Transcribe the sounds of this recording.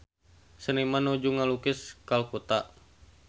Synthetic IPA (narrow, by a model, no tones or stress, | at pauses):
sənimanod͡ʒuŋalukɪskalkut̪a